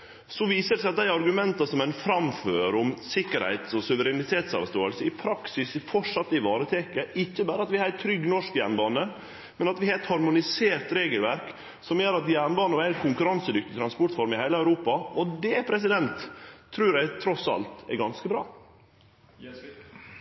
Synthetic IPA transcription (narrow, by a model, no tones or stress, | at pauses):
sɔʋiːsəɾsæɪɑt̪d̪æɪɑɾɡʉmɛnt̪ɑsɔmænfɾɑmføːɾʊmsɪkːəɾhæ̰ɪt̪sɔsʉʋəɾɛnɪt̪ʰeːt̪sɑ̰ːʋst̪oːəlsəɪpʰɾɑksɪsfɔʂɑt̪ːɪʋɑːɾət̪ʰeːkəʔɪçːəbæːɾəɑt̪ʋɪhɑɾɛt̪ʰɾʏɡːnɔʂkjæɳbɑːnə | mɛnɑt̪ʋɪhɑːɾɛt̪hɑɾmʊnɪseːɾt̪ɾeːɡəlʋæɾk | sɔmjæːɾɑt̪jænbɑːnəæɪkʰʊŋkʉɾɑnsəd̪ʏkt̪ɪt̪ʰɾɑnspɔʈfɔɾmɪhæɪləœʉɾuːpɑɔd̪ɛpʰɾɛs̬ɪd̪ɛnt̪ʰːɾʉːɾæɪt̪ʰɾɔsɑ̰lt̪ɛ̰ɾɡɑnskəbɾɑ̰ː